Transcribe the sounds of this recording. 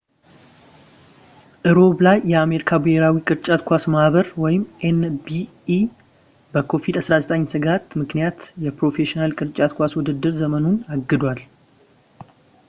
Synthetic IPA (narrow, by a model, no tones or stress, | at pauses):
ʔɨɾo̞blajːɛame̞ɾikʰabɨheɾawikʼɨɾt͡ʃʼat̪kʷasmahβəɾwɔjɪmʔenbi | bəkʰo̞vid̪asɾazət̪ʼəɲːsɨɡat̪mɨknijat̪jɛpɾo̞fe̞ʃinalkʼɨɾt͡ʃʼat̪̚kʷaswʊd̪ɨd̪ːɨɾzəmənunaɡːɨd̪wal